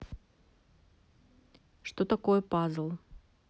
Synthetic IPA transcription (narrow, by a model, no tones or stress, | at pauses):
ʂt̪ot̪ɐkojəpazlˠ